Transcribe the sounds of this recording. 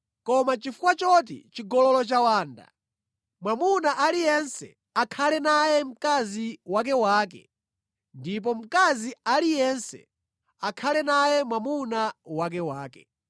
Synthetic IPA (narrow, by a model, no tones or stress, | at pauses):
kɔmat͡ʃifukwat͡ʃɔt̬ḭt͡ʃiɡɔlɔlɔt͡ʃawaːnda̰ | mwamunaʔalijɛnsɛ̰ | akʰalɛnajɛm̩kaziwak̬ɛwaːk̬ɛ̰ | ndip̬ɔm̩kazialijɛnsɛ̰ | akʰalɛnajɛmwamunawak̬ɛwaːkɛ̰